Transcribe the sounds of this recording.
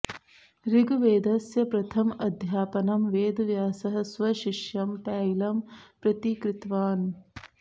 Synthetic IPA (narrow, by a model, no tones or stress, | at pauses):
ɾiɡʋeːd̪ɐsjɐpɾɐt̪ʰɐmɐd̪ʱjaːpɐnɐmʋeːd̪ɐʋjaːsɐɦɐ̆sʋɐʃiʂjɐmpaːjlɐmpɾɐt̪ikɾɪt̪ʋaːn